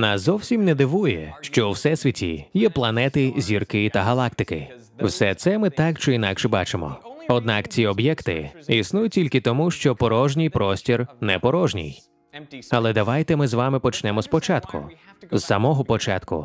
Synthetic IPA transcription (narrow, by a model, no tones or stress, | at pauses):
nɑszɔwsʲimnɛd̪ɪʋujɛ̰ʃt͡ʃɔuwsɛsʲʋʲitʲḭjɛplˠɐnɛt̪ɪzʲirkɪt̪ɐɦɐlˠɑkt̪ɪkɪ | wsɛt̪sɛmɪt̪ɑkt͡ʃɪinɑkʃɛbɑ̰t͡ʃɪmɔ̰ɔd̪nɑkt͡sʲiɔbjɛkt̪ɪ̰isnujʊtʲilʲkɪt̪ɔmuʃt͡ʃɔpɔɾɔʒnʲijpɾɔsʲtʲirnɛpɔɾɔʒnʲḭj | ɐlˠɛd̪ɐʋajt̪ɛmɪzʋamɪpɔt͡ʃnɛmɔspɔt͡ʃat̪kʰʊ̰z̥ːɐmɔɦɔpɔt͡ʃɑ̰t̪kʊ̰